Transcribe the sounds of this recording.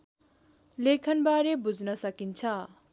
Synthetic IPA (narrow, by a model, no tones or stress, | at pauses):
lekʰʌnbaɾebud͡znʌsʌkint͡sʰʌ